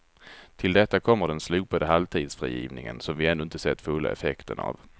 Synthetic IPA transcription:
t̪ʰɪld̪ɛt̪ːakʰɔmːəɖɛnslʉːpad̪əɦalvt̪ʰiːd̪sfɾiːjiːvnɪŋə̰nsɔmvɪɛnːɵɪnt̪əsɛt̪ːfɵlːa̰ɛfɛkt̪əɳa̰v

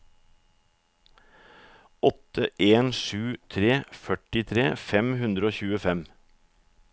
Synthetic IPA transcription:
ɔt̪əʔeːnʃʉːt̪ʰɾeːfœʈɪt̪ʰɾeːfɛmhʉnd̪ɾəoːçʉːəfɛm

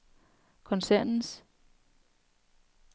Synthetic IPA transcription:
kʰɒ̽nsæɐ̰nn̩s

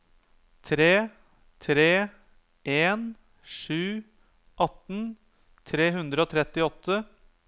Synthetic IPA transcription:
t̪ʰɾeː | t̪ʰɾeː | ʔeːn | ʂʉː | ʔɑt̪n | t̪ʰɾeːɦʉnd̪ɾəoːt̪ʰɾɛt̪ːɪɔt̪ʰːə

